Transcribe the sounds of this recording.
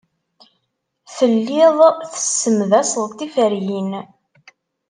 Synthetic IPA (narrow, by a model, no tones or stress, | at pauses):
θəlːɪðˤθə̥sːəmðæsəlˤt̪ifəɾjin